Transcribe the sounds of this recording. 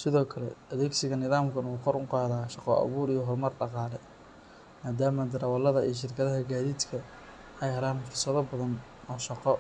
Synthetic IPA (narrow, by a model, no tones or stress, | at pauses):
sɪðɔːkʰɐlɛ̰ʔɐðɛːɡsɪɣɐnɪðaːmkʰɐnuːkʰɔɾʊqɑːðaːʃɑqɔʔɑ̰βuːɾijɔɦɔrmɐrɖɑqɑːlɛ | maːd̪aːmɐd̪ɐɾɐwɐlɐðɐijɞʃ̬ɪrkʰɐðɐɦɐɡaːðiːd̪kʰɐ | ɛjɦɐlaːnfʊrsɐðɐbɐðɐn | ɔːʃɑqɔ